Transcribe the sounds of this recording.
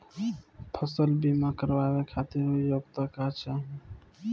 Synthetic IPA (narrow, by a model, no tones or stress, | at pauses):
pʰəsəlbimakəɾbabekʰat̪iɾojoɡt̪akaɦt͡ʃaɦ